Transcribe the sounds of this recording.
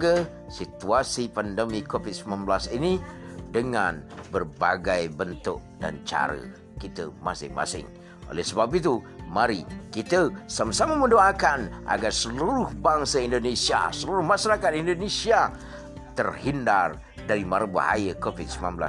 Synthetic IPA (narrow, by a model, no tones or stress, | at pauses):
ɡə | sit̪uasipandəmikofit̪̚səmanblasinidəŋanbərbaɡajbənt̪ʊk̚da̰nt͡ʃa̰ɾə̰ | kit̪ə̰masɪ̰ŋma̰sɪ̰ŋ | ʔo̰lɛ̰hsəbap̬it̪u | maɾikit̪əsamasaməmədoakanʔa̰ɡarsəluɾʊhbaŋsəindonesia̰səluɾʊhmaʃaɾakat̪̚indonesia | t̪ərhindar | daɾimaɾəbə̰ha̰jəkofit̪̚səmanbla̰